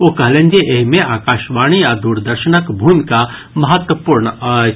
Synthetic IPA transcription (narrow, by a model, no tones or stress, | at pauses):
okɐɦlẽnd͡ʒeʔeɦmẽʔaːkaːʃʋaːɽ̃ijad̪uɾd̪əɾʃənəkbʱuːmka | mɐɦət̪wəpuːɾɳ